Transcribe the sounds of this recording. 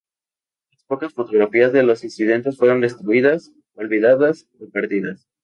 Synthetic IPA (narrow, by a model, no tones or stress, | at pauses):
laspo̞kasfo̞t̪o̞ɣ̞ɾafiazðe̞lo̞sinsiðe̞nt̪e̞sfwe̞ɾo̞nd̪e̞st̪ɾuiðas | olβiðaðas | opaɾt̪iðas